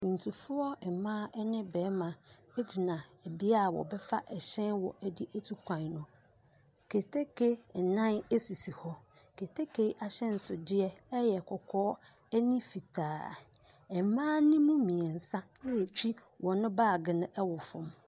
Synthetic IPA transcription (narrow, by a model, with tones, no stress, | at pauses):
mĩ˨n̩˨tʰu˨fʊ˦ɔ˦ɛ˨mã˦ɛ˦nɪ̃˦bɛː˨˦mã˨ɛ˦d͡ʑi˨nã˨e˨bi˦a˦˨wɔ̰˨bɛ˦fa˦ʔɛ˨ɕɛ̃˦nwɔ˨ʔɛ˦di˦ʔe˦tʰu˦kʷʰã˨nnʊ̃˨ | kʰe˨tʰe˦kʰe˦˨nã˦ne˦si˨si˨hɔ˦ | kʰe˨tʰe˦kʰe˨˦ʔa˨ɕɛ̃˦n̩˨sʊ˨dɪ˦ɛ˦ɛ˦jɛ˨kʰɔ˨kʰɔː˦ | ɛ˦nĩ˦fi˨tʰaː˨ | ɛ˨mãː˦nɪ̃˦mũ˦mĩ˨ɛ˨n̩˨sã˦e˨t͡ɕᶣi˦ | wʔɔ̃˨nʊ̃˦baː˦˨ɡɪ˨nʊ̃˦ʔɛ˦wɔ˨fʊ̃˦m